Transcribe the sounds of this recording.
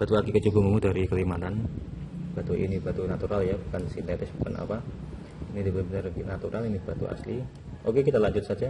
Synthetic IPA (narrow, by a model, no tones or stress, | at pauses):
b̥at̪uakikət͡ʃubuŋumudaɾikəlimat̪an | b̥at̪uʔḭnibat̪unat̪uɾaljabukansint̪et̪ɪsbu̥ka̰na̰pa | inidibəbənarnat̪uɾʔalinib̥at̪ṵa̰sli | ʔokekit̪alaɲd͡ʒʊt̪̚sad͡ʒa